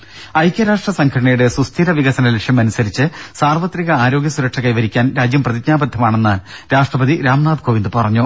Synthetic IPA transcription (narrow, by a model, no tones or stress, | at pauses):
ɐjkʲjɐɾaːʂʈrɐsɐŋkʰɐɽɐɳɐjuɽe̞sust̪ʰiɾɐʋiɣɐsɐnɐleʂjɐmɐnusɐɾit͡ɕːɨsaːrʋɐt̪riɣɐaːɾo̞ːɡʲjɐsuɾɐkʂɐkɐjʋɐɾikʲːaːnɾaːd͡ʑjɐmprɐðid͡ʑɲaːbɐd̪ʱːɐmaːɳe̞nːɨɾaːʂʈrɐbɐðiɾaːmnaːd̪koːʋind̪ɨpɐrɐɲːu